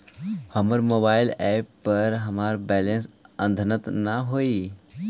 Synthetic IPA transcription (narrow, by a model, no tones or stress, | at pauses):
həməɾmoːbaːɪlɛːpːəɾɦɐmaːɾbɛːlensə̃nd̪ʱənət̪naɦoːi